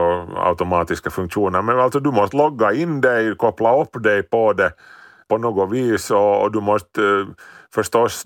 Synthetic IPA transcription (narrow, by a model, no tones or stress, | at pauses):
ɔa̰ʉt̪ʊmɑːt̪ɪskəfʉŋkʂuːnəɾmɛnalsɔd̪ʉmɔst̪əlɔɡːɑɪnːd̪ɛɪkʰɔpːlɑɔpːd̪ɛɪpɔd̪ɛ | pɔnoːɡʊʋiːsɔ̰ːd̪ʉmɔst̪ | fœʂt̪ɔs